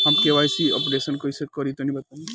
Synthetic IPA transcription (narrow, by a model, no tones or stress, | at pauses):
ɦɐmkeʋajsiɔ̰pɾeːsənkoisekɔɾit̪onĩbɐt̪ã